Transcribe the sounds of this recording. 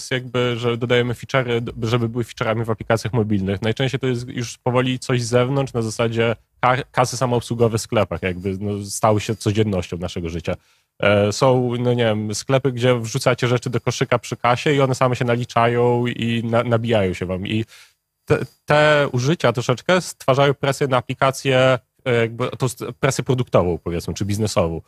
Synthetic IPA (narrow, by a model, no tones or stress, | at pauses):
st̪jaɡ̚bɘʐɛd̪ɔd̪ajɛmɘfʲit͡ʂɛɾɘd̪ʐɛbɘbɘwɘfʲi̥t͡ʂɛɾamʲivaplʲikat̪sʲjaxmɔbʲilnɘxnajt͡ʂɛ̃ɕt͡ɕejt̪ɔjɛst̪juʂpɔvɔlʲit̪sɔʑzɛvnɔnt͡ʂnazasad͡ʑɛ | kakasɘsamaɔpswuɡɔvɛsklɛpaxjaɡbɘnɔst̪awɘɕɛt̪sɔd͡ʑɛnːɔɕt͡ɕɔ̃w̃naʂɛɡɔʐɘt͡ɕa | sɔ̃w̃nɔɲevʲɛmsklɛpɘɡd͡ʑɛvʐut̪sat͡ɕɛʐɛt͡ʂɘd̪ɔkɔʂɘkapʂɘkaɕɛiɔnɛsamɛɕɛnalʲit͡ʂajɔ̃w̃inanabʲijajɔ̃w̃ɕɛvami | t̪ɛ̰t̪ɛuʐɘt͡ɕat̪ɾɔʂɛt͡ʂkɛst̪faʐajɔ̃w̃pɾɛsʲjɛnaːplʲikat̪sʲjɛ | jaɡ̚bɘɔt̪ɔ̃w̃pɾɛsʲjɛpɾɔd̪uk̚t̪ɔvɔ̃w̃pɔvʲjɛtsmɘt͡ʂɘbʲiznɛsɔvɔ̃w̃